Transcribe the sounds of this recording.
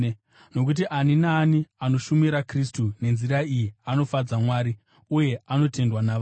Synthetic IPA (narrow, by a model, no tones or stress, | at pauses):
no̞k̬ut̬iʔaninaːniano̞ʃumiɾakristune̞nziɾaijiano̞fad͡zamwaːɾi | uje̞ano̞te̞ndwanaʋ